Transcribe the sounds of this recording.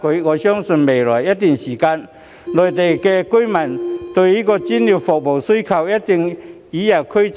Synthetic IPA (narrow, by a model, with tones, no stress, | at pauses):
ki˨˧˦ɔ˧ɕjɔ˦˥ŋsu˧nbe˨˩la˨˩ja˦t̪i˨˩nɕiː˨˩ka˧n | lɔ˨˩jt̪e˨˩jke˧ki˦jma˨nt̪u˧˩i˦kɔ˧t͡ɕi˦˥ni˧˩fɔ˨k̚bɔ˨˩wsi˦kʰa˧wja˦˥tt̪i˧ŋ | i˨˦ja˨˩kʰu˦t͡s